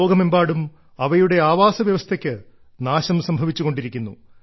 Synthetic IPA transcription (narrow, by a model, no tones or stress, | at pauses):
oːɡɐmembaːɽum | ɐʋɐjuɽe̞aːʋaːsɐʋjɐʋɐst̪ʰɐkʲːɨ | naːɕɐmsɐmbʱɐʋit͡ɕːuɣo̞ɳɖiɾikʲːunːu